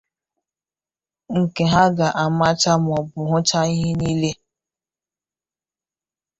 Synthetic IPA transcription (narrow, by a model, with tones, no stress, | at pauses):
ŋ̩˨ke˨ɦa˦ɡa˨ʔa˨ma˦t͡ʃa˦m˨ɔ˨bʊ˨ɦʊ˦t͡ʃa˦i˦ɦe˦ni˦le˦